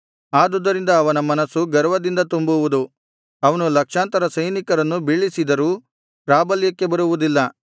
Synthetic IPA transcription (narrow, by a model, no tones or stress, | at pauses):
aːd̪ɔd̪ːɐɾind̪ɐːʋɐnɐmɐnɐsuɡɐɾʋɐd̪ind̪ɐt̪umbuʋud̪u | ɐʋɐnulɐkʂaːnt̪ɐɾɐsɐjnikɐɾɐnːubiɭːisid̪ɐɾuː | pɾaːbɐljɐkːe̞bɐɾuʋud̪ilːɐ